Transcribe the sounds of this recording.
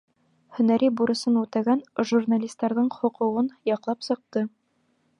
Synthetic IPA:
hɵ̆næɾibuɾɤ̆sɤnʉt̪æɡænʒurnalʲist̪ːɑɾðɤɴχŏqŭʁɤnjɒqlˠɑpsɤ̆q̚t̪ɤ

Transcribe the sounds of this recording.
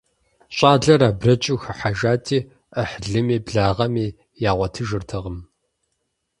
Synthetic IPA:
ɕʼaːɮɐɾaːbrɐt͡ʃʼɪxɨħaʒaːtʰiː | ʔəħɮɨmiːbɮaːʁɐmiː | jaːʁʷɐtʰɨʒɨrtʰɐʁəm

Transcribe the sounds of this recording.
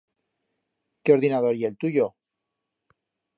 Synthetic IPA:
keo̞ɾðinað̞o̞ɾielt̪uʝo

